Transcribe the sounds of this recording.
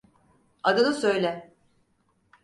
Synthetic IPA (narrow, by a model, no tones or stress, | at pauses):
ad̪ɯnɯsøjlʲɛ